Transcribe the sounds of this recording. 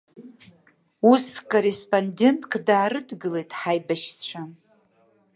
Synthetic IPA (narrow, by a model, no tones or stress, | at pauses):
uskʼorespʼonde̞ntʼkʰʼdaːɾɨdɡɨle̞jtʼħajbaʃt͡ɕʷʰa